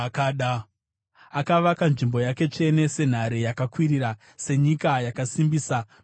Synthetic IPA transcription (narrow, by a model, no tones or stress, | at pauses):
kaɗa | akaʋakanʐimbo̞jake̞t͡ʂe̞ne̞se̞n̤aɾejakakwiɾiɾa | se̞ɲikajakasimbiːsa